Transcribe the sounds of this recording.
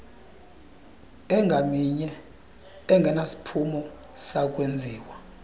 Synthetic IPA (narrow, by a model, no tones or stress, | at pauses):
ɛŋɡʱamiɲɛ | ɛŋɡʱɛnasi̥pʰumɔ | sak̬ʼwend͡zʱiːwa